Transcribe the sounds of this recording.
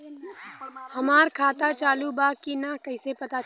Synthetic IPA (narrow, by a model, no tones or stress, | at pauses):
həmaːɾkʰaːt̪at͡ʃaːlubakinakəɪsepət̪a